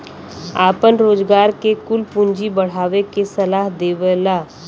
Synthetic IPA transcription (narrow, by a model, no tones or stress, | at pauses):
aːpənɾoːzɡaːɾkekʊlpʊ̃ɲd͡ʒibəɽ̤aːʋekesɐlaːɦd̪eːʋəlaː